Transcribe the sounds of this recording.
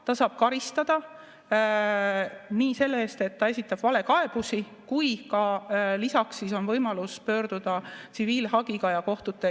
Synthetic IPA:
t̪ɑsɑːb̥̚kɑɾist̪ɑd̪̥ɑ | niːse̞lːeeːst̪e̞t̪ːɑe̞sit̪ːˑɑb̥vɑle̞kɑe̞b̥usi | kujkɑlisɑksːiːso̞nvɤjmɑluspø̞ːɾd̪̥ud̪̥ɑt̪siviːlhɑɡ̥iɡɑjɑko̞ht̪ut̪ːˑe

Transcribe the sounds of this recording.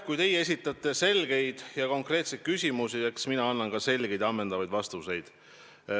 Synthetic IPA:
kujt̪e̞jee̞s̬ʲit̪ːˑɑt̪ːˑe̞se̞lɡ̥e̞jd̪̥jɑko̞ŋkˑre̞ːt̪sejt̪̚kysʲimusie̞ksminɑɑnːɑnɡ̥ɑse̞lɡ̥e̞jd̪̥ɑmːend̪ɑvɑjd̪̥vɑst̪use̞jd̪̥

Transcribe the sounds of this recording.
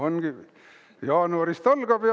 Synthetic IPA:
onɡ̥i | jɑːnuɑrist̪ɑlɡ̥ɑpi

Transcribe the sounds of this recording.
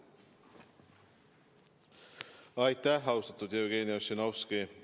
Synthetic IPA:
ɑjt̪ːæhɑwst̪ɑt̪ːud̪jeoɡeːniosenofski

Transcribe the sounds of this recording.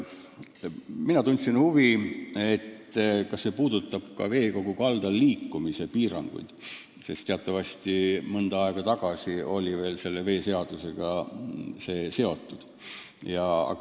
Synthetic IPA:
minɑt̪unʲt̪sinhuviet̪ːkɑsːe̞ːpuːd̪̥ut̪ːˑɑb̥kɑ̰ve̞ːko̞ɡ̥ukɑld̪̥ɑlːiːkːumise̞piːɾɑ̰ŋɡ̥ṵjd̪̥ | se̞st̪e̞ɑt̪ːˑɑvɑsʲt̪imɤnd̪ɑɑeɡ̥ɑt̪ɑɡ̥ɑsio̞̰lʲive̞ːlse̞lːe̞ve̞ːse̞ɑd̪̥use̞ɡ̥ɑ | se̞ːse̞o̞t̪ːˑud̪̥ | jɑɑ̰

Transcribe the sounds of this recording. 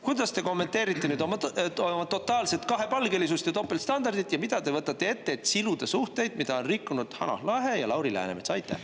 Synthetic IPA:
kujd̪̥ɑst̪e̞ko̞mːe̞nt̪e̞ːɾit̪ˑːe̞nyːd̪omomɑt̪o̞t̪ːˑɑːlse̞t̪kɑɦe̞pɑlɡe̞lisust̪jɑt̪o̞pːelt̪st̪ɑnd̪ɑrd̪̥it̪ːjɑmid̪̥ɑd̪e̞vɤt̪ːˑɑt̪ːe̞e̞t̪ːe̞ːt̪ːsilud̪̥e̞suht̪e̞jd̪̥mid̪̥ɑo̞nrikːunud̪̥hɑ̰nɑ̰hlɑɦe̞jɑlɑwɾilæ̰nemet̪sɑjt̪ːˑḛ

